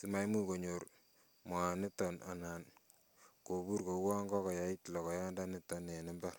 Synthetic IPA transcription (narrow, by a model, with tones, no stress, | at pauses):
si˦ma˦jmu˦ko˨ɲo˨ɾ | ma˨nɪ˦tːɔ˨na̰˨na˨n | ko˨bu˦ɾko˨˦wa˦ŋɡɔ˦kɔ˨ja˨i˦tlɔ˨kɔ˨ja˦nda˦nɪ˦tːɔ˨ne˨nɪ˦mbɛ˦ɾ